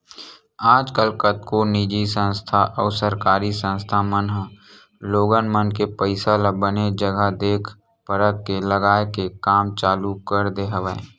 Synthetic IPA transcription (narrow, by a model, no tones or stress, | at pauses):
aːd͡ʒkəlkət̪koniːd͡ʒisə̃nst̪ʰaʔɔːɾsəɾkaːɾisə̃nst̪ʰamənɦ | loːɡənmənkepəɪsalabəned͡ʒəɡəd̪eːkʰ | pəɾət̪̚keləɡaːekekaːmt͡ʃaːlukəɾd̪eɦəʋəẽ